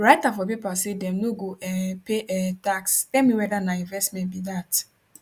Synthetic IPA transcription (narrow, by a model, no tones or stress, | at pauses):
ɾaɪtafɔp̬ipasedɛmnoɡoɛpeʔɛtakstɛmiwɛdanaĩnvɛstmɛ̃nbidat